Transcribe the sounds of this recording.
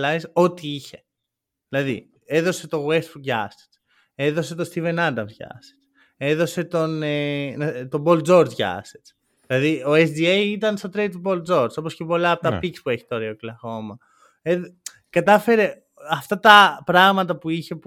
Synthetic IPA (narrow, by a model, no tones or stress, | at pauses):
lɐiso̞t̪iiçe̞̥ | ðilɐðḭ | eðo̞se̞t̪o̞ɣwest̪fuʝɐ̰st̪e̥t͡s | e̞ðo̞se̞t̪ost̪ive̞nɐd̪ɐmzʝɐ̰se̥t͡s | e̞ðo̞se̞t̪o̞nent̪o̞bo̞ld͡zo̞ɾzʝɐ̰set͡s | ðilɐðioesd̪iejit̪̬ɐnst̪ot̪ɾejt̪bo̞ld͡zo̞ɾso̞po̞sce̞po̞lɐpot̪ɐppikspue̞çi̥t̪oɾeoklɐxo̞mɐ | e | kɐt̪ɐfe̞ɾe̞ | ɐft̪ɐt̪ɐpɾɐɣmɐt̪ɐpuiçe̞